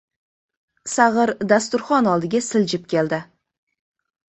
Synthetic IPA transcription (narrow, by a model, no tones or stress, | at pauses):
sɑʁəɾd̪ast̪uɾχɑnɑlˠd̪əɡʲesɪlʒɪp̚kʲʰe̞ld̪ɪ